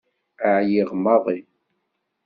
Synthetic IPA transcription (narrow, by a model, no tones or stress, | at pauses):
aʕjiʁmɑðˤi